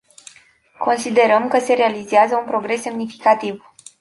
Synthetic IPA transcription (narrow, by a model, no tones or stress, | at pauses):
ko̞nsid̪e̞ɾəmkəse̞ɾe̞alizeazəunpɾo̞ɡɾe̞sːe̞mnifi̥kat̪iv